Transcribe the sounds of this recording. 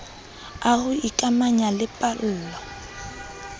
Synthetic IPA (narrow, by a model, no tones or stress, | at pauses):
ahʊikʼamaɲalɪpʼal̩ːlɔ